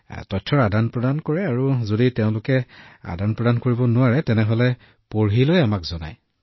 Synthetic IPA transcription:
tɔtʰːɔɹadanpɹɔdankoɹɛaɹuzoditeʊ̃lʊkɛa̰danpɹɔdankoɹibɔnʊwaɹɛtɛnɛɦolɛ | poɹɦilojamakzɔna̰j

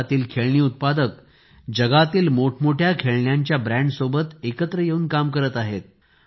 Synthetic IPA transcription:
t̪iːlkʰeɭɳiːut̪̚pad̪ək | d͡ʑəɡat̪iːlmoʈʰmoʈʰjakʰeɭɳjaɲt͡ɕjabɾæ̃ɳɖsobət̪ekət̪ɾəjeuːnkamkəɾət̪aɦet̪̚

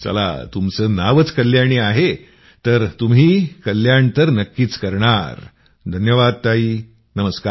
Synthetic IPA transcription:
t͡sə̰la̰t̪umt͡səːnaʋət͡skəljaɽ̃iaɦe | t̪əɾt̪umɦiːkəljaɳt̪əɾnəkːiːt͡skəɾɳaɾ | d̪ʱənjəʋad̪̚t̪aɦiː | nəməska

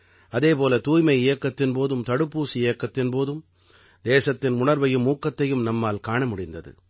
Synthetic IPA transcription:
ʔɐðeːpoːlɐt̪uːjmɐɪɪjɐkːɐt̪ːɪnpoːðɯmt̪ɐɽɯpːuːsiɪjɐkːɐt̪ːɪnpoːðɯm | d̪eːsɐt̪ːɪnʊɳɐɾʋɐjɯmːuːkːɐt̪ːɐjɯmnɐmːaːlkaːɳɐmʊɽɪnd̪ɐðɯ̰

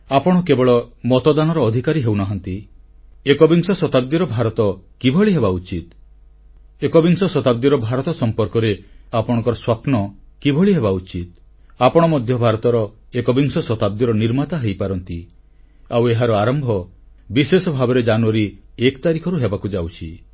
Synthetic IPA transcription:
apɔɽ̃ɔkebɔɭɔmɔt̪ɔd̪anɔɾɔːd̪ʱikaɾiɦewnɔɦɔnt̪i | ekɔbiŋsɔsɔt̪ab̚d̪iɾɔbʱaɾɔt̪ɔkibʱɔɭiɦebaut͡ʃit̪ | ekɔbiŋsɔsɔt̪ab̚d̪iɾɔbʱaɾɔt̪ɔsɔmpɔɾkɔɾeapɔɽ̃ɔ̃ŋkɔɾɔswapnɔkibʱɔɭiɦebaut͡ʃit̪̚ | apɔɽ̃ɔmɔd̪ʱjɔbʱaɾɔt̪ɔɾɔekɔbiŋsɔsɔt̪ab̚d̪iɾɔniɾmat̪aɦejpaɾɔnt̪i | aweɦaɾɔaɾɔmbʱɔ | bisesɔbʱabɔɾed͡ʒanuaɾiekt̪aɾikʰɔɾuɦebakud͡ʒawt͡ʃʰi

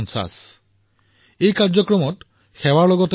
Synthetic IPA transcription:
nsa̰s | ejkaɹzɔkɹɔmɔt | xɛwaɹlɔɡɔt

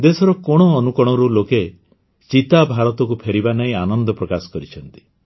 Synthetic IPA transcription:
d̪esɔɾɔkɔɽ̃ɔːnukɔɽ̃ɔɾuloke | t͡ʃit̪abʱaɾɔt̪ɔkupʰeɾibanaĩanɔnd̪ɔpɾɔkasɔ̥kɔɾit͡ʃʰɔnt̪i̥

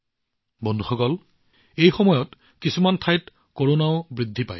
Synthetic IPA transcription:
bɔndʱuxɔkɔl | ejxɔmɔjɔt | kisumantʰajt | koɹonaʊbɹidʱːipa̰j

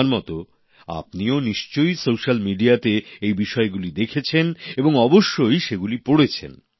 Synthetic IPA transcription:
ɾmɔt̪o | a̰p̚nioniʃt͡ɕojsowʃalmiɖiat̪eejbiʃɔeɡulid̪ekʰet͡ɕʰeneboŋɔboʃːojʃeɡulipoɽet͡ɕʰḛn

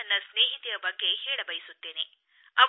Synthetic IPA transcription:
ɐnːɐsneːɦit̪ijɐbɐɡːe̞hɛːɭɐbɐjisut̪ːe̞ːne̞ | ɐʋ

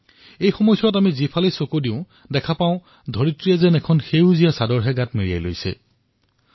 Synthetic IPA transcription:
ejxɔmɔjsɔɹɔtamizipʰalesokodiʊ̃ | dɛkʰapãʊ̃ | dʱɔɹitɹiɛzɛnɛkʰɔnxejzijasadɔɹɦɛɡatmiɹija̰jlo̰jsɛ̰

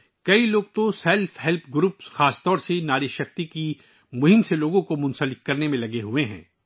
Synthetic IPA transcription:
kɐiloːɡ̚t̪osɛlfʰɦɛlpʰɡɾuːpsxaːst̪ɔːɾsenaːɾiʃɐxt̪iki | mʊɦɪmseloːɡõkomʊ̃nsəlɪk̚kɐɾnemẽlɐɡeɦueɦɛ̰̃ː

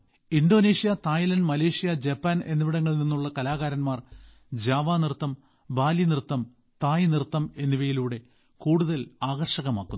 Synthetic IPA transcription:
indo̞ːneːʂijɐt̪aːjlɐnɖmɐle̞ːʂijɐd͡ʑɐpːaːne̞nːiʋiɽɐŋːɐɭninːuɭːɐkɐlaːɣaːɾɐnmaːr | d͡ʑaːʋaːnirt̪ːɐm | baːlinirt̪ːɐm | t̪aːjnirt̪ːɐme̞nːiʋɐjiluːɽe̞ | kuːɽuðɐlaːɣɐrʂɐɣɐma̰ːkːun

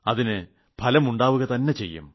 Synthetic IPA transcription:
ɐðinɨ | pʰɐlɐmuɳɖaːʋuɣɐt̪ɐnːe̞t͡ɕe̞̰jːṵm

